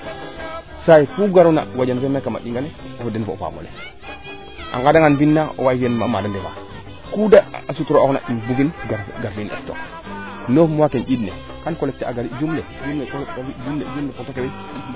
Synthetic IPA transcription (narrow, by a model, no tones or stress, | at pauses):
saifuɡaɾna̰wad͡ʒanvemakama̰ɗiŋɡane | ofodenvo̰fa̰mo̰les | ʔa̰ŋɡadaŋanvinːao̰waivenma̰madandeva̰ | kudaasutuɾookna̰ʔinbuvinɡaɡaɾvinḛsto̰k | nofmwakenɟidne | kankolek̚teaɡaɾid͡ʒumled͡ʒumlet͡ʃokaid͡ʒumled͡ʒumlepotokewe